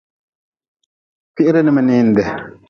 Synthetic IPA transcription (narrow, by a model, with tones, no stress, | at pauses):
fi˦ʔi˦ɾɛ˦ni˦ma˨niː˦ndɛ˨